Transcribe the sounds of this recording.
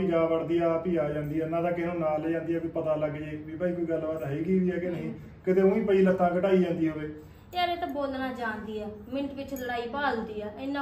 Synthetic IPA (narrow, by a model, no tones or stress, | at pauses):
id͡ʒaːbəɽd̪iːaːpiːaːd͡ʒãːnd̪iːɛːnːãːd̪ãːkɪnõːnaːlːd͡ʒãːnd̪iːɛːbiːpət̪aːləɡd͡ʒeːbiːpaiːkoiːɡəlːbaːt̪ɦəiːɡiːʋiːɛːkenəɦĩː | kɪt̪eːũːĩːpəiːlət̪ʰːãːkəʈaːiːd͡ʒãːnd̪iːɦoːʋeː | aɾeːt̪aboːlnaːd͡ʒaːnd̪iːɛːmɪ̃ɳʈʋɪt͡ʃləɾaːiːpaːld̪iːɛːɪnːãː